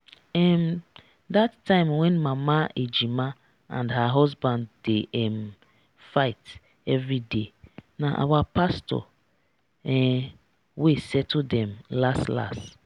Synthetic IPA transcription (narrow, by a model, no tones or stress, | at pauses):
ɛm | datʰːãɪ̃mwɛ̃nmãmaed͡ʒima | ã̰ndɦaɦɔzbãndːeʔɛm | faɪt | ɛvɹidenaʔa̰wapastɔ̰ | ɛ | wesɛtʰodɛ̃mlastla̰st